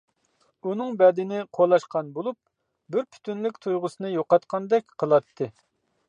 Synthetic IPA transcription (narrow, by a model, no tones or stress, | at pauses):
unɨŋbɛd̪ɪnɪqʰolˠɑʃqɑnbolˠup̚ | bɪɾpʰy̥t̪ʰynlykʲt̪ʰujʁʊsɨnɨjoqɑt̪qʰɑnd̪ɛkʲqʰəlˠɑt̪ʰːɨ